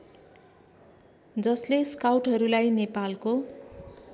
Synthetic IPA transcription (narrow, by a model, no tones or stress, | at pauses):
d͡zʌsleskawʈɦʌɾulajnepalko